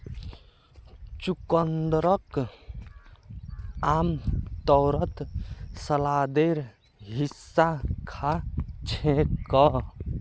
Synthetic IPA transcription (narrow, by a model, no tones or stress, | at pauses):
t͡ʃukənd̪ɾək | amt̪ɔwɾət̪səlad̪eɾ | ɦisːakʰat͡ʃʰẽkə